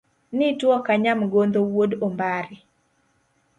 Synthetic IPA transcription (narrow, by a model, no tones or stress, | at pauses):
nɪtwɔkaɲamɡond̪owodombaɾɪ